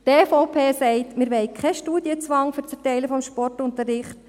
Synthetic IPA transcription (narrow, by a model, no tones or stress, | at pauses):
teːfɔʊpʰeːsɛɪtmɪɾʋɛɪkʰχɛʃtuːd̥iət͡sʋɑŋfyɾt͡sɛrtɛɪləfɔmʃpɔrtʊntərːɪχt